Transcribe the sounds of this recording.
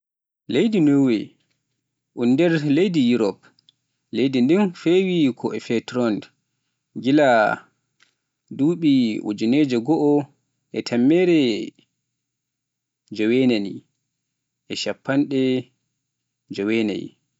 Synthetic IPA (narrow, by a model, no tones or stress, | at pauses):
lejdinowɛ̰ | ʔunːdɛɾlejdijuɾɔp | lejdindinfewikʰɔʔɛfɛtɾɔnd | ɡila | duːɓiṵd͡ʒuned͡ʒɛɡɔʔɔ | ʔɛtʰamːɛɾɛ | d͡ʒɔwɛnanḭ | ʔɛʃapːanɗɛ | d͡ʒɔwɛna̰j